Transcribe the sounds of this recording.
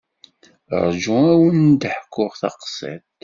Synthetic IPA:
ɾˤʒʊ̃æwənd̪əħkːʊʁθɑ̰qsˤḭt̪

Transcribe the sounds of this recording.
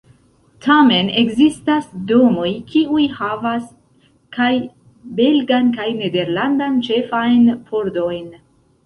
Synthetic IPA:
tʰame̞ne̞ɡzistasdo̞mo̞jkʰiujhavas | kaj | be̞lɡankajne̞de̞ɾlandant͡ʃe̞fajnpʰo̞ɾdo̞jn

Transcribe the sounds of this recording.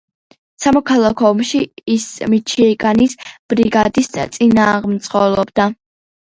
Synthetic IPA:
samɔkʰalˠakʰɔːmʃiːsmit͡ʃʰiɛɡʼanisb̥ɾiɡad̪ist̪sʼinaːʁmt̪sʼqʼɔlˠɔbd̪a

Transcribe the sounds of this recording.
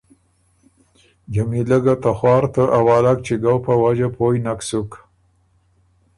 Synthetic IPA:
d͡ʒamiləɡat̪axwɑːɾt̪əʔawɑlak̚t͡ʃeɡawpəwad͡ʒapʰojnaksuk

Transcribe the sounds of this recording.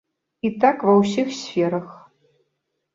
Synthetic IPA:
itʰakvɐwsixsfʲeɾɐx

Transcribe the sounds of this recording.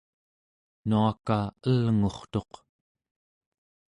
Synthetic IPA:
nuakaəlŋo̞χt̪oq

